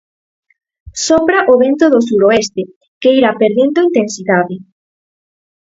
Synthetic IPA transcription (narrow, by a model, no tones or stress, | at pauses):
sombɾaʔoβent̪oðosuɾoest̪e | keiɾapeɾðend̪oint̪ensiðaðɪ